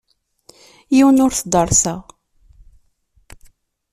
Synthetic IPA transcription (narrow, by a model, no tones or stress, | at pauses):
jiwənʊɾθd̪ˤəɾˤsæ